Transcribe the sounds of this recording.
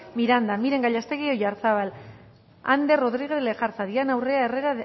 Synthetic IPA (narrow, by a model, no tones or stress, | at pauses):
miɾand̪amiɾe̞ŋɡaʎast̪e̞ɣio̞jaɾt͡saβal | a̰nd̪e̞ro̞ðɾiɣeðlexaɾt͡saðianawre̞aereɾa